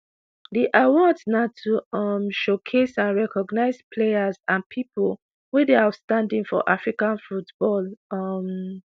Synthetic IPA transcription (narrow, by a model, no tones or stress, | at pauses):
deʔawɔ̃tnatʰuʌmʃokʰesãnɹɛkʰɔɡnaɪzpʰlejazãnpʰipol | wedeastãndĩŋfɔ̰ʔafɹikãnfutb̥ɔlʌm